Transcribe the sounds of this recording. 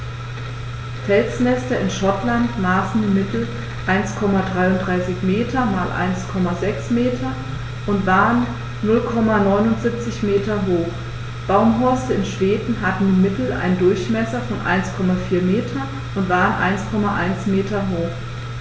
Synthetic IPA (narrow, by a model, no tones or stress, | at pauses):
fʰɛlt͡smɛstɐɪnʃɔtlantmaːsn̩diːmɪtl̩ | ʔaɪnskʰɔmadʁaɪʊntdʁaɪsɪçmeːtʰɐmaːlʔa̰ɪnskʰɔmazɛksmeːtʰɐ | ʔʊntv̥aːʁənː | ʊlkʰɔmanɔʏnʊntz̥ɪp̚t͡sɪçmeːtɐɦoːχ | b̥aʊmɦɔɐstəɪnʃv̥eːdn̩ɦatn̩diːmɪtl̩ʔa̰ɪndʊɐçmɛsɐfɔnʔa̰ɪnskʰɔmafiːɐmeːtʰɐ | ʔʊntv̥aːʁənʔa̰ɪnskʰɔmaʔa̰ɪnsmeːtɐɦoːx